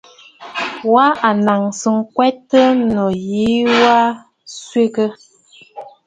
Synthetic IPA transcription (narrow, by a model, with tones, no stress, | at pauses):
wa˦ʔa˨na˨ŋsə˨ŋ̩˦kwɛ˦tːə˦nɔ˨ji˨˦wa˦ | sɥe˦kə˦